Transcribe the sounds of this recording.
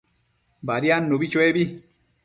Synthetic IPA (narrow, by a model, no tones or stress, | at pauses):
baɾjanːobit͡ʃwɛbi